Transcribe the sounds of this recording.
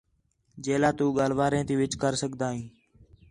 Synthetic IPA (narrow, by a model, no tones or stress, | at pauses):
d͡ʒeːlaːt̪uːɠaːl̤ʋaːɾẽːt̪iːʋɪt͡ʃkəɾsəɠd̪aːɦĩː